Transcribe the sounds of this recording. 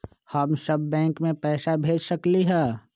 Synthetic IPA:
həmsəbːɛ̃ːkmẽpɛːsabʱeːd͡ʒsəkliɦɛː

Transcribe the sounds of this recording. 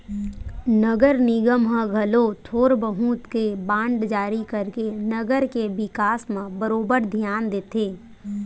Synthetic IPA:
nəɡəɾnɪɡəmɦə̃ɡʱɐlot̪ʰoːɾbəɦũːt̪kebãːɳɖd͡ʒaːɾikəɾkenəɡəɾkeʋɪkaːsmãbəɾoːbəɾd̪ʱjaːnd̪eːt̪eː

